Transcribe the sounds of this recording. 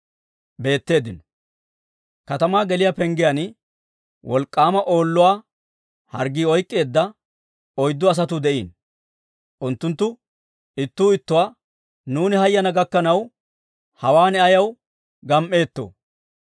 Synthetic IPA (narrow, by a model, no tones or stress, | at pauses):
be̞ːt̪ːe̞ːd̪ɪnɔ | kɐt̪ɐmaːɡɛlɪjapɛŋɡɪjan | wʔɔlkʼːaːmɐʔo̞ːlːʊwaː | hɐ̰ɾɡiːɔjkʼːe̞ːd̪ːɐ | ɔjd̪ːɔɐs̬ɐt̪ʊd̪ɛʔiːn | ʔʊnt̪ːʊnt̪ːʊ | ɪt̪ːuːɪt̪ːʊwaː | nuːnɪhɐjːɐnɐɡɐkːɐnɐw | hɐwaːnɛɐjɐw | ɡɐmʔe̞ːt̪ːo̰ː